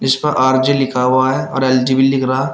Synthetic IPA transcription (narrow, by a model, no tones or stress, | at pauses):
ɪspɐɾʔaːɾd͡ʒilɪkʰaɦaɦɛɔ̰ːɾɛːld͡ʒibilɪkʰɾaa